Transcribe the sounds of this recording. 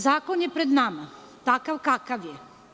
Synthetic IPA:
zaːkonjepɾed̪nama | t̪akaʋkakaʋje

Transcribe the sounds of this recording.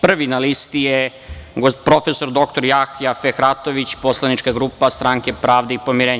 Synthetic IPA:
pr̩ʋinalist̪ije | ɡopɾo̞feso̞ɾd̪o̞kt̪o̞ɾjaxjafexɾat̪o̞ʋit͡ɕposlˠanit͡ʃkaɡɾuːpast̪ɾaːŋke̞pɾaːʋd̪eipo̞miɾeːɲ

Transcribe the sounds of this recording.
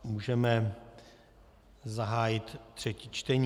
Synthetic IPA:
muːʒɛmɛ | zaɦaːjɪt̪ːr̥ɛcit͡ʃt̪ɛɲ

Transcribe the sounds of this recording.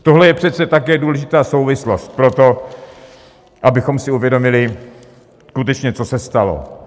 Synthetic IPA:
t̪oɦlɛjɛpr̝̥ɛt̪t͡sɛt̪akɛːduːlɛʒɪt̪aːso̞wvɪslo̞st̪̚pɾot̪o̞ | ʔabɪxo̞msɪuvjɛdo̞mɪlɪ | skut̪ɛt͡ʃɲɛt͡sosɛst̪alo̰

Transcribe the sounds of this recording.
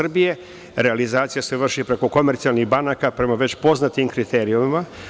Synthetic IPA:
rbije̞ | ɾe̞alizaːt̪sijaseʋr̩ʃipɾe̞ko̞ko̞me̞ɾt̪sialˠniɣbanaːkapɾe̞maʋe̞t͡ɕpo̞znat̪imkɾit̪ʰeɾiuima

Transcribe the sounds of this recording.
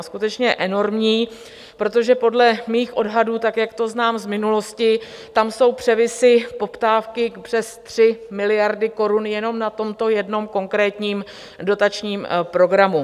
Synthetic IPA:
skut̪ɛt͡ʃɲɛʔɛno̞ɾmɲiː | pɾo̞t̪o̞ʒɛpo̞dlɛmiːxʔo̞dɦaduːt̪akjakt̪o̞znaːmzmɪnulo̞scɪ | t̪amso̞wpr̝̥ɛvɪsɪpo̞pt̪aːfkɪkpr̝̥ɛst̪r̝̥ɪmɪlɪjaɾdɪko̞ɾunjɛno̞mnat̪o̞mt̪o̞jɛdno̞mko̞ŋkɾɛːt̪ɲiːm | do̞t̪at͡ʃɲiːmpɾo̞ɡɾamu

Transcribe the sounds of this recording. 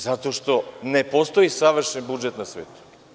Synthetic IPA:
zat̪oʃt̪onepost̪oisaʋr̩ʃɛnbud͡ʒɛt̪nasʋḛːt̪u̥

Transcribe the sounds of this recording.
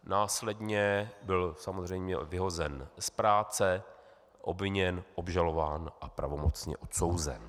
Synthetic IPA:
naːslɛdɲɛbɪlsamozr̝ɛjmɲɛ̰vɪɦo̞zɛnspɾaːt͡sɛ | ʔo̰bvɪɲɛnʔobʒalo̞vaːnʔapɾa̰vo̞mo̞tt͡sɲɛ̰ʔot̪so̞wzɛ̰n

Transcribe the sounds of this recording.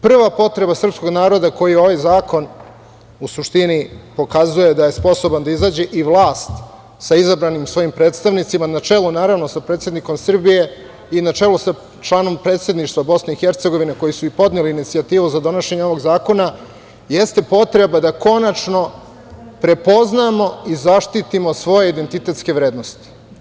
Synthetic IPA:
pr̩ʋapo̞t̪ɾe̞basr̩psko̞ɡnaːɾo̞d̪ako̞jio̞ʋajzaːko̞n | usuʂt̪inipo̞kazujed̪aje̞spo̞so̞band̪aizaːd͡ʑe̞ʔiʋlˠaːst̪ | saizabɾanimsʋo̞jimpɾeːt̪st̪aʋnit̪simanat͡ʃe̞lunaːɾaʋno̞sapɾet̪sed̪niko̞msr̩bije̞ | inat͡ʃe̞lusa | t͡ʃlˠaːno̞mpɾe̞ːt̪sʲed̪niʃt̪ʋabo̞sne̞ixeɾt̪seɡo̞ʋine̞ko̞jisuipo̞d̪neliːnit̪siat̪iːʋuzad̪o̞noʃe̞ɲeo̞ʋo̞ɡzaːko̞na | je̞st̪e̞po̞t̪ɾe̞bad̪ako̞nat͡ʂno̞ | pɾe̞po̞znamo̞izaʃt̪it̪imo̞sʋo̞je̞id̪e̞nt̪it̪e̞t̪ske̞ʋɾe̞ːd̪no̞st̪i̥

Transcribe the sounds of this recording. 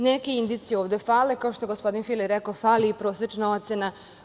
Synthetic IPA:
nekeind̪it̪sieoːʋd̪efaːlekao̞ʃt̪oɡospo̞d̪infiliɾekofaliːpɾoːset͡ʃnao̞t̪sena

